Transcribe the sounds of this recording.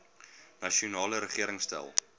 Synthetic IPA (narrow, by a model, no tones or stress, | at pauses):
nɐʃiunɑːləɾəχiəɾəŋstæ̰lˠ